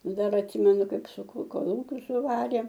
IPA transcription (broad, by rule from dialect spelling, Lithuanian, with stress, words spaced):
ˈdɐr ɐtʲˈsʲɪmʲɛnʊ ˈkɐɪp sʊˈkuː koːˈlˠuːkʲʊs sʊˈʋɑːrʲeː